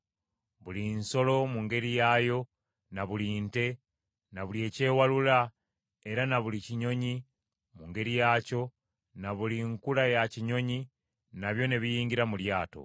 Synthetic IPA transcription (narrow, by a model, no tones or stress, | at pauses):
βulinso̞lo̞muŋɡe̞ɾijajo̞ | naβulinte̞ | naβulie̞ːce̞ːwalula | e̞ɾanaβuliciɲo̞ɲi | muŋɡe̞ɾijaːco̞ | naβuliŋkulajaciɲo̞ɲi | naβjo̞ne̞βijiːŋɡiɾamuljaːto̞̰